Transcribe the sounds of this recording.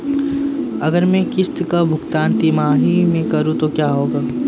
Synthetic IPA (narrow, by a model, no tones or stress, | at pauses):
ɐɡəɾmẽkɪst̪kabʱʊkt̪aːnt̪imaːɦimẽkɐɾũt̪okjaːɦoːɡaː